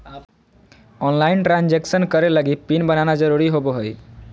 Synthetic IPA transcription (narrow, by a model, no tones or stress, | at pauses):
a | ɔnlainʈɾand͡ʒeksənkəɾeləɡipinbənanad͡ʒəɾuɾiɦoboɦoj